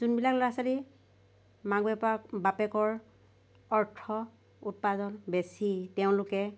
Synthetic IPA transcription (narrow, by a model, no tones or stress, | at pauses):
zunbilaklɔɹasali | maɡɛpabapɛkɔɹ | ɔɹtʰɔ | ut̚pazɔnbesitɛʊ̃lʊkɛ